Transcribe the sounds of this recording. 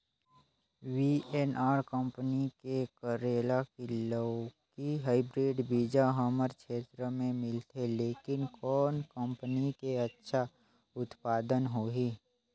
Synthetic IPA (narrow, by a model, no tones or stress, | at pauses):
wiːʔeːnaːɾkə̃mpənikekəɾeːlakiləːkiɦaːɪbɾeːɖbiːd͡ʒaɦəməɾkʃʰeːt̪ɾəmẽmɪlt̪eleːkɪnkɔːnkə̃mpənikeətːʃʰa | ʊt̪paːd̪ənɦoːɦiː